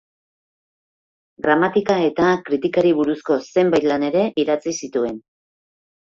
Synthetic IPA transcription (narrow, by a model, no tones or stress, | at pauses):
ɡɾamat̪ikae̞t̪akɾit̪ikaɾiβ̞uɾusko̞se̞mbaj̪lane̞ɾe̞ʔiðat͡sisit̪ue̞n